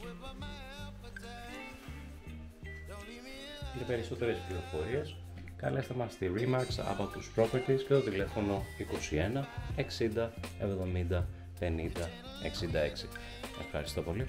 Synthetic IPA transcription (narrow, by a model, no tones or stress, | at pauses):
mɐpe̞ɾiso̞t̪e̞ɾe̞spliɾo̞fo̞ɾie̞s | kɐlesθemɐst̪iɾimɐɾksɐ̰bot̪uspɾo̞feɾt̪iscet̪o̞t̪ile̞fo̞no̞iko̞sie̞nɐe̞ksind̪ɐe̞vðo̞mind̪ɐ | pe̞nind̪ɐ | e̞̰ksind̪ɐe̞ksi | e̞fxɐ̰ɾist̪o̞po̞li